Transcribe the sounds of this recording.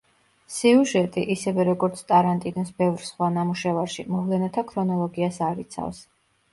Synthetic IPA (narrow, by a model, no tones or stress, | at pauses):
siuʒɛt̪ʼiʔisɛvɛɾɔɡɔɾt̪sʰt̪ʼaɾant̪ʼinɔsbɛvɾsχwanamuʃɛvaɾʃimɔvlɛnat̪ʰakʰɾɔnɔlˠɔɡiasaɾit̪sʰa̰fs